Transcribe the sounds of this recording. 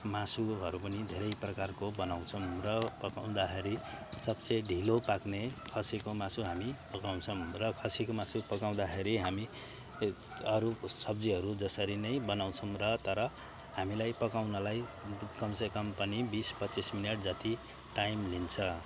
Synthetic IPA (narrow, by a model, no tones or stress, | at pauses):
masuɦʌɾupʌnid̪ʱeɾʌjprʌkarkobʌnaw̃t͡sʰʌmrʌpʌkaw̃d̪akʰeɾisʌbt͡seɖʱilopaknekʰʌsikomasuɦamipʌkaw̃t͡sʰʌmrʌkʰʌsikomasupʌkaw̃d̪axʰeɾiɦami | ʌɾusʌbd͡ziɦʌɾud͡zʌsʌɾinʌjbʌnaw̃t͡sʰʌmrʌt̪ʌɾʌ | hamilajpʌkaw̃nʌlajkʌmsʌkʌmpʌnibispʌtːismineʈ̚d͡zʌt̪i | ʈajmlint͡sʰʌ